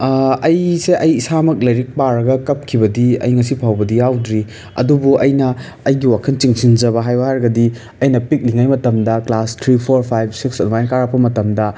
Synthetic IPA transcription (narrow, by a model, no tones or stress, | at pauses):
ɐjseʔɐjisamɐk̚lɐjɾik̚paɾɐɡɐkɐp̚kʰibɐdiɐ̰jŋɐs̬ipʰawbɐdijawdɾi | ɐ̰dubuɐjnɐː | jɡiwakʰɐnt͡ʃiŋsind͡ʒɐβɐɦajbahaɾɐɡɐdi | ɐjnɐpik̚liŋajmɐtɐmdɐklastʰɾipʰoɾpʰajb̚siksɐnmajnkaɾapʰːɐmɐtɐmdɐ